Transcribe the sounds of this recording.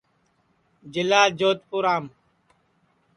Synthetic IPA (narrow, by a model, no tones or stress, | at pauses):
d͡ʒɪlaːd͡ʒoːt̪̚puɾaːm